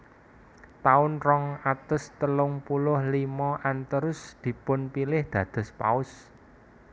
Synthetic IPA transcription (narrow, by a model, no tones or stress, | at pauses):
t̪aʊnrɔŋat̪əst̪əlʊŋpulʊhlimɔʔant̪əɾʊsd̪̥i̤pʊnpilɪhd̪̥ä̤d̪̥ɔ̤spa̰ʊs